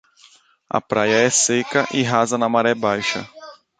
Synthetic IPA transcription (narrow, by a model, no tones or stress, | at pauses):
ɐ̰pɾajɐɛsekɐʔɪɦazɐnɐmaɾɛbajʃɐ̰